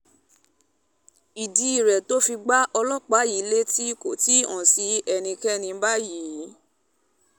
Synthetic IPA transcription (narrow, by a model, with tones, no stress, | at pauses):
i˨di˧i˨ɾɛ˨to˦fi˧ɡ͡ba˦ʔɔ˧lɔ˦k͡pa˨˦ji˨˦le˦ti˦i˦ko˨ti˨˦ɔ̰̃˨si˨˧˦ɛ˧nĩ˧kɛ˦nĩ˧˦ba˦ji˨˦